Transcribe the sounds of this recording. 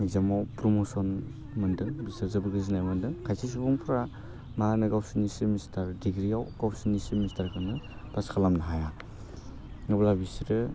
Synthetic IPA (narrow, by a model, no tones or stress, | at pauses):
ŋizamawpɾɔmosɔn | mɯndɯŋbisazɯbɯɡɯzinajmɯndɯŋkʰajsʰis̬ubɔŋpʰɾa | manɯɡawsinisimistʰaɾdiɡɾijawɡawsinisimistaɾkʰanɯpaskʰalamnaɦaja | ŋɯblabisiɾɯ